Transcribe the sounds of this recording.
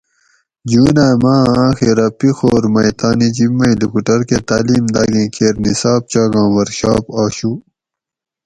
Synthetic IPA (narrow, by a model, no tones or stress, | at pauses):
d͡ʑuːnaːmãːxiɾɐpixoːɾmɐjt̪aːnid͡ʑimːɐilipuʈɐɾket̪aːliːmd̪aːɡĩːkʰeːɾnisaːb̚t͡ɕaːɡɑ̃ːwɐɾɕaːpaːɕu